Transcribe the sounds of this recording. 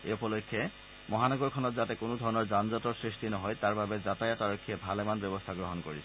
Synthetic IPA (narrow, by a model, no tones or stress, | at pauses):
ḛupɔlokʰːje | mɔɦanɔɡɔɹkʰɔnɔtzatɛkonod̪ʱɔɹɔnɔɹzanzɔtɔɹsɹistinɔɦɔjtaɹbabɛzatajataɹokʰːiɛbʱalɛmanbɔbɔstʰaɡɹɔɦɔnkoɹisʰɛ